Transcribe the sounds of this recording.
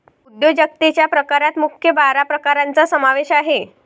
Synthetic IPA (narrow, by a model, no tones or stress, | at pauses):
ud̪jod͡ʑək̚t̪et͡ɕjapɾəkaɾat̪mukʰjəbaɾapɾəkaɾant͡sasəmaʋeɕaɦe